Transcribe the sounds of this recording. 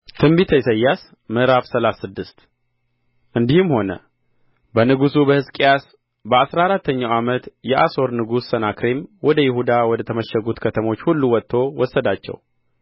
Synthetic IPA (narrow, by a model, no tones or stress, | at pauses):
t̪ʰɨmbit̪ʰəjsəjːas | mɨʔɾafsəlasɨd̪ːɨst̪ | ʔɨnd̪ihɨmho̞nə̰ | bənɨɡusubəhɨskʼijas | bəasɾaɾat̪ʰːəɲːawamət̪jɛʔaso̞ɾnɨɡusːənakɾemwɔd̪əjɪhud̪awɔd̪ət̪ʰəməʃəɡut̪kʰət̪ʰəmo̞t͡ʃːhulːuwɔt̪ʰːo̞wɔsːəd̪at͡ʃːɛ̰w